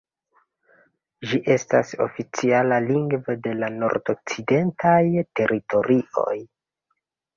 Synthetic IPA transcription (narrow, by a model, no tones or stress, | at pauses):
ʒiʔe̞sta̰so̞̰fit͡sialaliŋɡvode̞lano̞̰ɾdo̞k̚t͡side̞ntʰajte̞ɾʔito̞ɾio̞̰j